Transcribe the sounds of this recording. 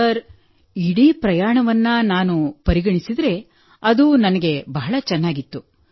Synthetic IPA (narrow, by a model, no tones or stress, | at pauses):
ɐɾ | iɽiːpɾɐjaːɳɐʋɐnːɐnaːnupɐɾiɡɐɳisid̪ɾe̞ | ɐd̪unɐnɐɡe̞bɐɦɐɭɐt͡ʃɛnːaːɡit̪ːu